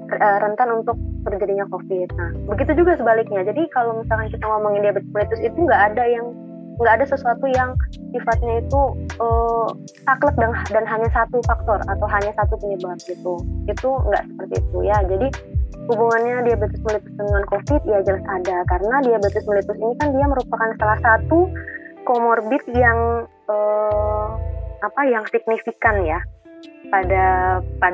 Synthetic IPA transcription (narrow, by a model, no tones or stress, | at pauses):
rəɾənt̪anunt̪ʊk̚bərd͡ʒadiɲakofɪt̪̚nahbəɡit̪ud͡ʒuɡasəbalɪk̚ɲad͡ʒadikalowmisalkankit̪aŋomoŋɪndiabət̪ʊsməlit̪ʊsit̪uŋɡaʔːdajaŋ | ŋɡaʔːdasəsuat̪ujaŋ | sifat̪̚ɲait̪uə | t̪aklək̚dandanɦaɲasat̪ufak̚t̪ɔrat̪awɦaɲasat̪upəɲəbap̚ɡit̪uit̪uŋɡa̰ʔsə̥pərt̪ḭːt̪ujad͡ʒadi | hubuŋanɲadiabət̪ɪsməlit̪ʊ̥sd̪ənŋankofɪt̪̚jad͡ʒalasadakaɾənadiabət̪ʊsməlit̪ʊsinikandiaməɾupakansalahsat̪ukomɔrbɪt̪̚jaŋ | ə | apajaŋsik̚nifikanjapadapa